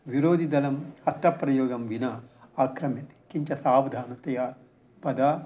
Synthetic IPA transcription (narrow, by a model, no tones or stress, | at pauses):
ʋiɾoːd̪ʱid̪ɐlɐmɐtːɐpɾɐjoːɡɐmʋinɐaːkɾɐmit̪ | kiɲt͡ʃɐsaːʋd̪ʱaːnɐt̪ɐja | pɐd̪aː